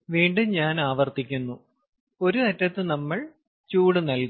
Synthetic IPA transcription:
ʋiːɳɖuɲaːnaːʋɐrt̪ikʲːunːu | o̞ɾut̪ɐtːɐt̪ːɨnɐmːɐɭ | t͡ɕuːɽɨnɐlk

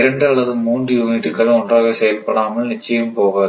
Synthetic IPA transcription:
ɾɐɳɖɯɐɭɐðɯmuːndrɯjuːniʈːɯkːɐɭɔndraːɣɐsɛjɐlpːɐɽaːmɐɭnɪt͡ʃːɐjɯmpoːɣɐɐ

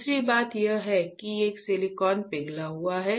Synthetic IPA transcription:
sɾibaːt̪jəɦɛkieːkselikɔːnpɪɡlaɦuaɦɛ

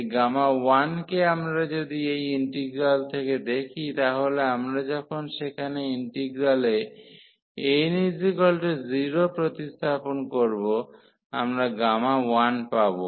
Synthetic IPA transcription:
ɡamawankeamɾad͡ʑod̪iejiɳʈiɡɾalt̪ʰeked̪ekʰit̪aɦoleamɾad͡ʑɔkʰonʃekʰaneiɳʈiɡɾale | ejnid͡ʑikɔlʈeziɾopɾot̪ist̪ʰaponkoɾbo | a̰mɾaɡamawanpabo

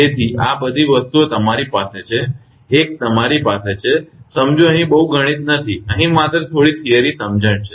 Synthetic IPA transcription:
et̪ʰiabəd̪ʱiʋəst̪uot̪əmaɾipaset͡ʃʰeː | k̚t̪əmaɾipaset͡ʃʰesəmd͡ʒoəɦĩbəɦuɡʱəɽ̃it̪nət̪ʰiəɦĩmat̪ɾət̪ʰoɽit̪ʰijəɾisəmd͡ʒəɳt͡ʃʰe

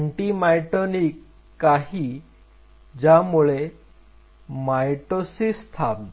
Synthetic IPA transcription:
ɳʈimajʈonikː | aɦiː | d͡ʑjamuɭe | majʈosist̪ʰap

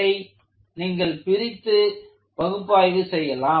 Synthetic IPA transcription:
ɐɪ | niːŋɡɐɭpɪɾɪt̪ːɯ | bɐɣɯpːaːjʋɯsɛjːɐlaː

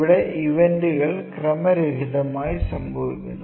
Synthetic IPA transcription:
iɽeʔiʋenɖuɣɐɭkrɐmɐɾeɾiðɐmaːjisɐmbʱɐʋḭkʲːunːu

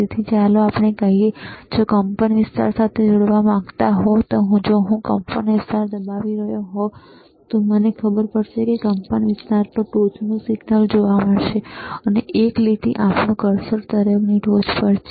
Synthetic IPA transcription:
it̪ʰit͡ʃaloapɳekəɦied͡ʒokəmpəniʋɪst̪a̰ɾsat̪ʰed͡ʒoɽʋamãɡt̪aɦɔt̪oɦũd͡ʒoɦũkəmpənʋɪst̪aɾd̪əbaʋiɾəjoɦɔ | t̪omənekʰəbəɾpəɽʃekekəmpəniʋɪst̪aɾt̪əʈod͡ʒnũsɪɡnəld͡ʒoʋaməɽʃeəneʔeklit̪iʔapɳõɡəɾsəɾt̪əɾəʋniɖod͡ʒpəɾt͡ʃʰe

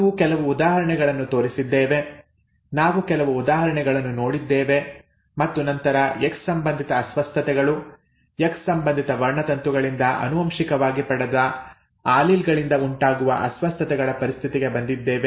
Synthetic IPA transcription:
ukɛlɐʋuːd̪aːɦɐɾɐɳɛɡɐɭɐnːut̪o̞ːɾisid̪ːeːʋe̞ | naːʋukɛlɐʋuːd̪aːɦɐɾɐɳɛɡɐɭɐnːuno̞ːɽid̪ːeːʋe̞ | mɐt̪ːunɐnt̪ɐɾɐekssɐmbɐnd̪ʱit̪ɐːsʋɐst̪ʰɐt̪ɛɡɐɭu | jekssɐmbɐnd̪ʱit̪ɐʋɐɾɳɐt̪ɐnt̪uɡɐɭind̪ɐʔɐ̰nuʋɐmʃikɐʋaːɡipɐɽɐd̪ɐ | aːlilɡɐɭind̪ɐuɳʈaːɡuʋɐ̰ʔɐ̰sʋɐst̪ʰɐt̪ɛɡɐɭɐpɐɾist̪ʰit̪iɡe̞bɐnd̪id̪ːeːʋe

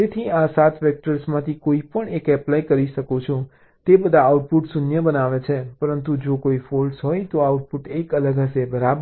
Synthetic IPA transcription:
d͡ʒet̪ʰiasat̪ʋɛk̚ʈəɾsmãt̪ʰikoipəɳekɛplaikəɾiʃəkũt͡ʃʰũ | t̪ebəd̪ʱaːuʈ̚puʈsunjəbənaʋet͡ʃʰepəɾənt̪ud͡ʒokoifolɖsɦojt̪oauʈ̚puʈekələɡɦəsebəɾab

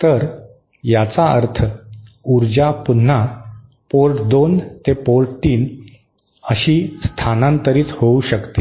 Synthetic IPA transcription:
t̪əɾ | jat͡saəɾt̪ʰəuɾd͡ʑapun̤ːa | polʈd̪ont̪epolʈt̪iːn | əɕiːst̪ʰanãnt̪əɾiːthouɕəkt̪e

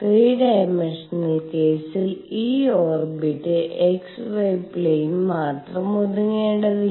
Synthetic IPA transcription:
triːɖɐjɐmɐʂɐnːɐlkeːsiliːoːrbiʈːɨʔeksʋɐjplejinmaːtrɐmud̪uŋːeːɳɖɐði

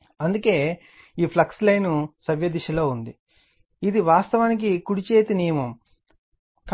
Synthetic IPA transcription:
ɐnd̪uke̞ː | iːpʰlɐkslɐjnusɐʋjɐd̪iʃɐloːund̪i | id̪iʋaːst̪ɐʋaːnik̬ikuɽit͡ʃeːt̪inijɐmɐm | k

